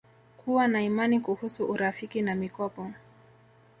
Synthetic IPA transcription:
kuwanaimanikuhusuʔuɾafikinamikɔpɔ

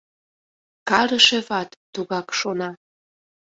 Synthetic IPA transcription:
kɑɾəʃĕβɑt̪ːuɣɑkʃonɑ

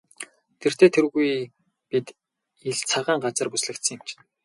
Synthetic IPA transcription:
t̪ʰer̥t̪ʰeːt̪ʰerɣuj | pit̪ | iɮt͡sʰaʁaːɴɢat͡sə̆rpusɮɘ̆kt̪sə̆ŋɪ̆mt͡ɕʰn

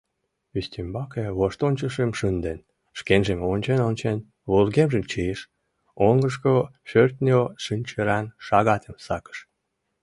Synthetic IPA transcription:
yst̪ʲimbɑkeβoʃt̪onʲt͡ɕəʃemʃɨnd̪en | ʃkenʒemonʲt͡ɕenonʲt͡ɕen | βolɣemʒemt͡ɕieʃ | oŋɡəʃkoʃørt̪nʲoʃɨnʲt͡ɕeɾɑnʃɑɣɑt̪ʰemsɑkə̥ʃ

